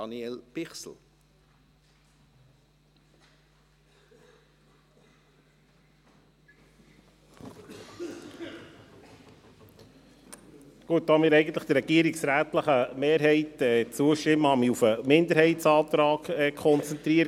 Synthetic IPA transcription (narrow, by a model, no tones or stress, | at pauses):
ɑnielb̥ɪχsl̩ | ɡ̥uət̚dɑmɪːɾɛɪɡən̩t̪ləχd̥̪əɾːɛɡ̥iəɾiksɾæːt̪ləχəmeːɾɦɛɪtɛːt͡suəʃtɪmːəhɑmiufəmɪnd̪əɾhɛɪtsɑːt̪ɾɑːkɛkʰχɔnt͡sɛnt̪ɾiəɾ